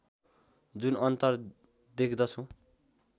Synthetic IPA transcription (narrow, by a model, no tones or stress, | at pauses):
d͡zunʌnt̪ʌr | d̪ekʰd̪ʌt͡sʰʌ̃